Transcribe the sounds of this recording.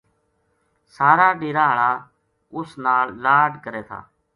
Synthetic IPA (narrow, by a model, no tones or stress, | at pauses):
saːɾaːɗeːɾaːɦəɭaː | ʊsnaːllaːɖkəɾeːt̪ʰa̰ː